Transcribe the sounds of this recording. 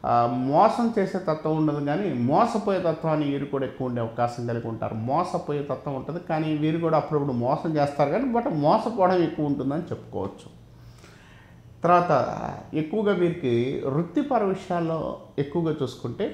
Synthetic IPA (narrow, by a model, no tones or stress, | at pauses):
mɔːsɐmt͡ʃeːse̞ːt̪ɐt̪ʋɐuɳɖɐd̪iɡaːnimɔːsɐpoːjeːt̪ɐt̪ʋaːniʋiːɾukuːɽaːekːuʋɐuɳɖeːɐʋɐkaːʃɐmkɐlikuɳʈa̰ːɾumɔːsɐpoːjeːt̪ɐt̪ʋɐuɳʈund̪ikaːniʋiːɾukuːɽaːpːuɽɐpːuɽumɔːsɐmt͡ʃeːst̪aːɾuɡaːnibɐʈmɔːsɐpɔːɽɐme̞kːuʋɐuɳʈund̪ɐnit͡ʃe̞pːu̥kɔ̰ːʋɐt͡ʃːu̥ | t̪ɐɾʋaːt̪ɐ̰e̞kːuʋɐɡaːʋiːɾikiɾut̪ːipɐɾɐʋiʂɐjaːlːo̞̰ːe̞kːuʋɐɡaːt͡ʃuːsu̥kuɳʈe̞ː